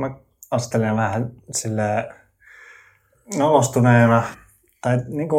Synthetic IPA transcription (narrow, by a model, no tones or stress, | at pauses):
mæ | ɑst̪elenʋæhænsilːæː | nolost̪uneːnæ | t̪ɑiniːŋko